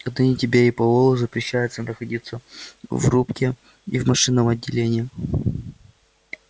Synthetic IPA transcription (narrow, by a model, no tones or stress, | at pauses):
ɐd̪nɨnʲɪtʲɪbʲeɾʲɪpɐlˠolˠəzəpɾʲɪɕːæjʊt̪sənəxɐdʲit̪səvrupkʲɪ | ḭvmɐʂɨnːəmɐdʲːɪlʲenʲɪjɪ